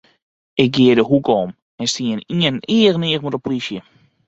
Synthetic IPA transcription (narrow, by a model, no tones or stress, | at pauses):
ʔɪk̚ɡɪədəɦukɔm | ɛnstiəniəniəɣənɪəɣmutəpolisjə